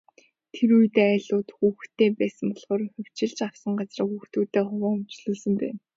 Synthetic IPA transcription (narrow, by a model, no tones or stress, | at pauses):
t̪ʰeɾuj̆t̪eːæːɮʊːt̪xuːxt̪ʰeːpæːsə̆mpɔɮχɔːɾ̆xʲʊw̥t͡ɕɪ̆ɮt͡ɕaw̥sə̆ŋɢat͡srə̆ːxuːxt̪uːt̪eːχʊwaːŋɵmt͡ɕɮɵ̆ːɮsə̆mpæ̰ːn